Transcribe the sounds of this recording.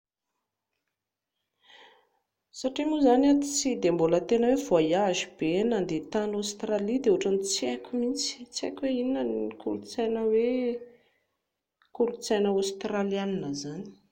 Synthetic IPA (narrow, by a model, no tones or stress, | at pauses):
saʈ͡ʂimuzanat̪it͡sid̪embolət̪enəwevoajazib̥enand̪et̪anast̪ralid̪euuʈ͡ʂanit͡sekʲumint͡si̥t͡sḛkʲweinənikuɾut͡sajnəwe | kuɾut͡sajnəost̪ralianinəzani̥